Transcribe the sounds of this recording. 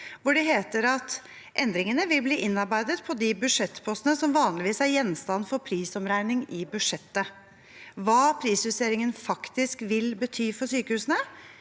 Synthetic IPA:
ʋʊɖɛɦeːt̪əɾɑt̪ | ʔɛnd̪ɾɪŋənəʋɪlbliːʔɪnːɑɾbæɪd̪ət̪pʰɔd̪ɪbʉd̪ʂɛt̪ːpʰɔst̪ənəsɔmʋɑːnlɪʋiːsæɾjɛnːst̪ɑnːfɔɾpʰɾiːsɔmɾæɪnɪŋɪbʉd̪ʂɛt̪ːə | ʋɑːpʰɾiːsʋʉseːɾɪŋənfɑkt̪ɪskʋɪlbət̪ʰyːfɔɾʂyːkəhʉːsənə

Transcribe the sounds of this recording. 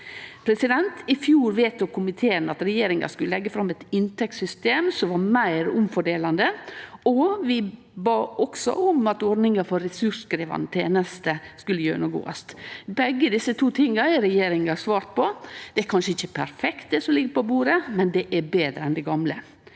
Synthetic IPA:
pʰɾɛsɪd̪ɛnt̪ɪfjuːɾʋeːt̪ɔkʊmɪt̪ʰeːɾnɑt̪ɾɛjeːɾɪŋɑ̰skʉləlɛɡːəfɾɑmɛt̪ɪnt̪ʰɛksʏst̪eːmsɔmʋɑmæɪɾʊmfɔɖeːlɑnd̪əɔʋɪ | bɑːʔɔksɔ̰ɔmɑt̪ɔɖnɪŋɑfɔɾːɛsʉʂkɾiːʋɑ̰nt̪ʰeːnəst̪əskʉlːəjøːnəɡo̰ːɑ̰st̪bɛɡːəd̪ɪsːət̪ʰuːt̪ʰɪŋːəɾɛɾɛjeːɾɪŋɑsʋɑːɾt̪̚pʰɔd̪̥ɛæɾkʰɑnʂəɪçːəpʰæɾfɛkt̪̚d̪ɛsɔmlɪɡəɾpɔbuːɾəmɛnd̪ɛʔæbeːd̪ɾəɛnd̪ɛɡɑmlə

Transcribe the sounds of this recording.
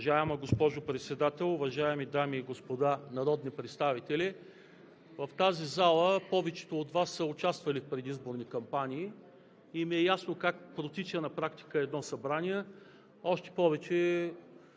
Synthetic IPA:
ʒaɛmɐɡospɔʒopɾɛt̪sɛd̪at̪ɛlˠʊvɐʒaɛmid̪amiːɡospod̪anɐɾɔd̪nipɾɛt̪st̪avit̪ɛli | vɐft̪azizalˠəpɔvɛt͡ʃɛ̥t̪ood̪vasːəʊt͡ʃast̪vɐlifpɾɛd̪izboɾnikɐmpanʲiː | imiɛjasnokakpɾot̪it͡ʃənɐpɾakt̪i̥kəɛd̪nɔsɐbɾaniɛ | ɔʃt̪ɛ̥pɔvɛt͡ʃɛ

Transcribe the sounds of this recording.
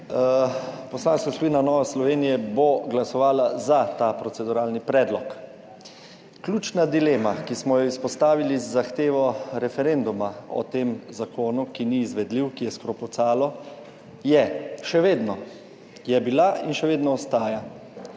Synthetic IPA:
pɔslaːnskasɔʋinanɔːʋɛslɔʋeːnijɛboɡlasɔʋaːlazat̪apɾɔt̪sɛd̪uɾaːlnipɾɛːd̪lɔk | klʲjuːt͡ʃnad̪ileːmakismɔjɔispɔst̪aːʋilizːaxt̪eːʋɔɾɛfɛɾend̪umaɔ̰t̪eːmzakoːnukiniːzʋɛd̪liwkijɛskɾopɔt̪saːlɔ | jɛʃɛʋeːd̪nɔ | jɛbilainʃɛʋeːd̪nɔɔst̪aːja

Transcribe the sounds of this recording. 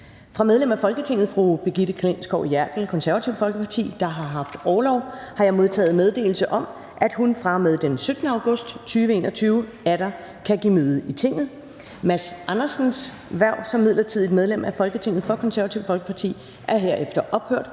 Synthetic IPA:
fʁɑ̈meðˠlem̰æfɒ̽lɡ̥ət͡sʰe̝ŋ̰ð̩ˠfʁub̥e̝ɡ̥id̥əkʰlensɡ̥ɒʊjæɐɡ̥l̩kʰɒ̽nsæɐæt͡sʰiʊ̰fɒ̽lɡ̥əpʰɑ̈t͡sʰḭːd̥ɑ̈ɦɑ̈ɦɑ̈fd̥ɒːlɒʊhɑ̈jɑ̈ɪmo̝ð̞ˠt͡sʰɛ̰ːð̞̩ˠmeð̞ˠd̥e̝̰ːl̩səʔɒ̽m | ʔæd̥ɦunfʁɑ̈með̞ˠd̥ensød̥nəɑ̈ʊɡ̥ɔ̽sd̥t͡sʰyːʋəe̝ːnɒt͡sʰyːʊ | æɾ̥ɑ | kʰæɡ̥imøːðˠit͡sʰe̝ŋ̰ð̩ˠ | mæsɑnɐsn̩s | ʋæɐʊ̰sɒ̽mːiðˠlɐt͡sʰið̞̰ˠid̥̚með̞ˠlemæfɒ̽lɡ̥ət͡sʰe̝ŋ̰ð̩ˠfɒ̽kʰɒ̽nsæɐʋæt͡sʰiʊfɒlɡ̥ə̥pʰɑ̈t͡sʰḭː | ʔæɐɦe̝ɐ̰efd̥ɐʔɒ̽b̥høɐ̰d̥

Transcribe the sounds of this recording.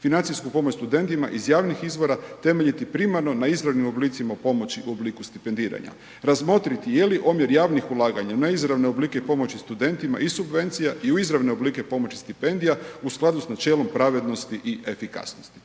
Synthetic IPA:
finant̪siskupo̞mot͡ɕst̪ud̪e̞nt̪ima̰ʔizjaːʋnixizʋo̞ɾat̪e̞me̞ʎit̪ipɾimaɾno̞naizɾaʋnimo̞bliːt̪simapo̞mo̞t͡ɕiuo̞bliːkust̪ipe̞nd̪iːɾa̰ɲa̰ | ɾazmo̞t̪ɾit̪ijeliʔomje̞ɾjaːʋnixulˠaːɡaɲanaizɾaʋneobliːkepo̞mo̞t͡ɕist̪ud̪e̞nt̪ima̰isubʋe̞nt̪sijaʔiuizɾaʋneobliːke̞po̞mo̞t͡ɕi̥st̪ipe̞nd̪ijausklˠad̪usnat͡ʃe̞ːlo̞mpɾaʋe̞d̪no̞st̪iʔie̞fika̰snost̪i̥

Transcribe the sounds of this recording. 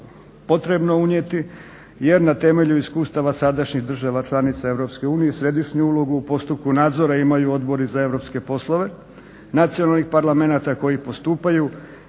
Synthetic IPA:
po̞t̪ɾe̞bnouɲet̪i | je̞ɾnat̪e̞me̞ʎuiskuːst̪aʋasad̪aʃɲiɣd̪r̩ʒaʋat͡ʃlˠanit̪sae̞ʋɾo̞pske̞uːnijesɾe̞d̪iʃɲuulo̞ɡuːpo̞st̪up̚kunaːd̪zo̞ɾaimajuo̞d̪bo̞ɾizae̞ʋɾo̞pske̞po̞slˠo̞ʋe̞ | nat̪sijonalˠnixpaɾlˠame̞nat̪ako̞jipo̞st̪uːpaju

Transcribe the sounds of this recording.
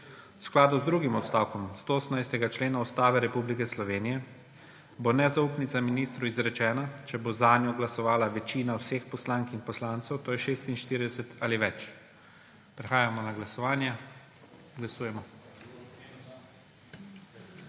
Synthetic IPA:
wsklaːd̪uzd̪ɾuːɡimɔt̪st̪aːwkɔmst̪ooːsəmnajst̪ɛɡat͡ʃleːnaust̪aːʋɛɾɛpublikɛslɔʋeːnijɛ | bonɛzauːpnit̪saminist̪ɾuizɾɛt͡ʃɛːnat͡ʃɛbozanjɔɡlasɔʋaːlaʋɛt͡ʃiːnawsexpɔslaːŋkixpɔslant̪sɛwt̪oːjɛʃeːst̪inʃt̪iːɾid̪ɛsɛt̪aliʋɛt͡ʃ | pɾɛxaːjamɔnaɡlasɔʋaːnja | ɡlasuːjɛmɔ

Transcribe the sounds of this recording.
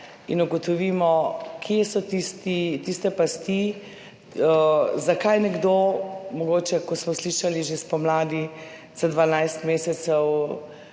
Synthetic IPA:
ḭnuɡɔt̪ɔʋiːmɔkʰjesɔt̪ist̪it̪ist̪ɛpast̪i | əzakajnɛɡd̪omɔɡoːt͡ʃɛkɔsmɔsliʃaliʒespɔmlaːd̪i | z̥ad̪ʋanajst̪meːsɛsɛw

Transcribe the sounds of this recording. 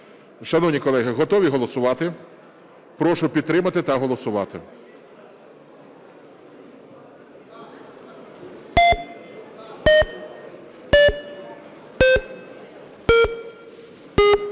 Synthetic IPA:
ʃɐnɔwnʲikɔlˠɛɦɪɦɔt̪ɔʋʲiɦɔlˠɔsʊʋɑt̪ɪ | pɾɔʃʊpʲid̪t̪ɾɪmɐt̪ɪt̪ɐɦɔlˠɔsʊʋɑt̪ɪ̰

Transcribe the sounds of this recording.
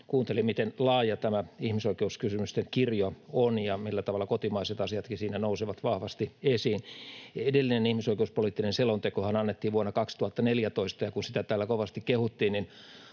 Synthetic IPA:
kuːnt̪elimmit̪enlɑːjɑt̪æmæihmisoikeuskysymyst̪eŋkirjoonjɑmilːæt̪ɑʋɑlːɑkot̪imɑiset̪ɑsiɑt̪kisiːnænouseʋɑt̪ʋɑhʋɑst̪iesiːnedelːinenihmisoikeuspoliːˑt̪ːinenselont̪ekohɑnɑnːet̪ːiːʋuɑnːɑkɑkst̪uhɑt̪ːɑneljæt̪oist̪ɑjɑkunsit̪æt̪æːlːækoʋɑst̪ikkehut̪ːiːnnin

